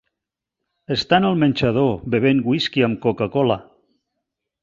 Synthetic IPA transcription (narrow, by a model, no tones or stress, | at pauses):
əst̪anəlˠmənʲt͡ʃəð̞obeβ̞eŋɡwiskiəmkokakɔla